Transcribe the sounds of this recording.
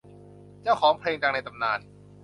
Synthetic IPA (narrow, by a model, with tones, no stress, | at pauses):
t͡ɕaː˥˩wkʰɔː˩˦ŋpʰleː˧ŋt̪aː˧na˧jt̪a˧mnaː˧n